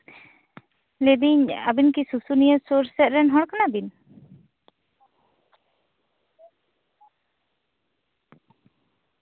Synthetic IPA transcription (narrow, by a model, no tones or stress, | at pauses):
led̪iɲa̰binkisusunijəsuɾsɛt̪̚ɾɛnɦɔɽkanabin